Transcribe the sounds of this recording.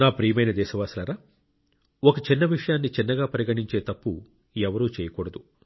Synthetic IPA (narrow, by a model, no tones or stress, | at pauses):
naːpɾiːɐmɐjnɐd̪ɛːʃɐʋaːsɐlɐɾaː | ɔkɐt͡ʃinːɐʋiʂɐjaːnːit͡ʃinːɐɡaːpɐɾiɡɐɳiɲt͡ʃe̞ːt̪ɐpːu | ɛʋɐɾuːt͡ʃɛːjɐkɔːɽɐd̪u